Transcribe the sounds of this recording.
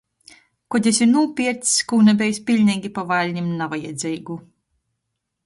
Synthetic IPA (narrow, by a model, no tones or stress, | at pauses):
kɔd̪ʲesiɾnuɔpʲiɛɾt̪skuːnabʲɛjspʲilʲnʲɛːɡʲipavalʲɲʲimnavajɛd̪zʲɛjɡu